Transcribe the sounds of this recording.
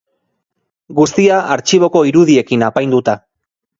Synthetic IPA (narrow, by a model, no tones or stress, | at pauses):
ɡust̪iaʔaɾt͡ʃiβ̞o̞ko̞iɾuðie̞kinapajnd̪ut̪a